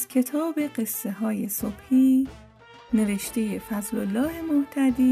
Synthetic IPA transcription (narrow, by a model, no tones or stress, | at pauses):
zkʲʰe̞t̪ʰɒːbe̞ɢe̞sːe̞ɦɒːjesob̥hiː | ne̞ve̞ʃt̪ʰe̞jefæzlolːɒːhe̞moht̪ʰæd̪iː